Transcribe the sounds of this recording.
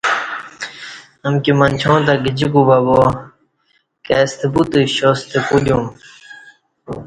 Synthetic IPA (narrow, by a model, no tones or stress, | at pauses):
ɐmkimɐnʲt͡ɕʰõːt̪ɐɡid͡ʑikubɐbo | kest̪ʰebut̪ɨɕost̪ʰepuljum